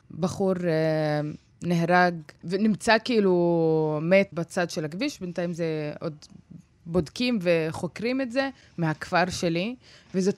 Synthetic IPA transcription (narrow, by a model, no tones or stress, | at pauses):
baχuʁ | neɦʁaɡvenimt͡sakiilumet̪bat͡sadʃelaɡviʃbentajimzeo̞d̪ | bo̞dkimveχo̞kʁimetze̞ | mehakfaʁʃe̞livezo̞t